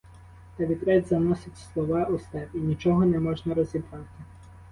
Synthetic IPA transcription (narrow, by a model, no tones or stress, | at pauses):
t̪ɐʋʲid̪ɾɛdʲzɐnɔsɪtʲslˠɔʋɑust̪ɛpinʲit͡ʃɔɦɔnɛmɔʒnɐɾɔzʲibɾɑt̪ɪ